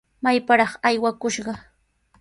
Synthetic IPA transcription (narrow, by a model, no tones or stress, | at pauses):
majpaɾɑχajwakʊʃɢɑ